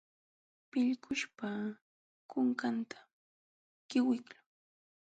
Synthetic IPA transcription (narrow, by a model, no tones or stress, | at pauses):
pɪʎkʰʊʃpa | kʊŋkant̪ʰḁ | kɪwɪklʊ